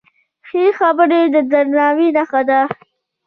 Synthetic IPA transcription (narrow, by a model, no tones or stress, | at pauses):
xexabəɾed̪əd̪aɾnɑwinaxad̪a